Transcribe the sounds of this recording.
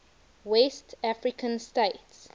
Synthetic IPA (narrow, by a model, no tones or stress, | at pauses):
wɛstafɹikə̃nsteɪts